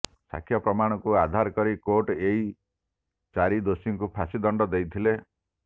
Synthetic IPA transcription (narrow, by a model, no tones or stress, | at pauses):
sa̰kʰjɔpɾɔmaɽ̃ɔkuad̪ʱaɾkɔɾikoʈei | t͡ʃaɾid̪osiŋkupʰasid̪ɔɳɖɔd̪ejt̪ʰile